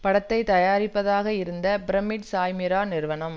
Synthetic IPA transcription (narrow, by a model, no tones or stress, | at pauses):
pɐɽɐt̪ːɐɪt̪ɐjaːɾɪpːɐðaːɣɐɪɾɯnd̪ɐbɪɾɐmɪʈsaːjmɪɾaːnɪɾɯʋɐnɐm